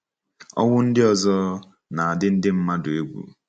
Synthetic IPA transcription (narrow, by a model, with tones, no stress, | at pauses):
ɔ̰˦wʊ˦n̩˦dɪ˦ɔ˨zɔ˦ | na˨a˨dɪ˦n̩˦dɪ˦m̩˦ma˦dʊ˨e˦ɡʷṵ˨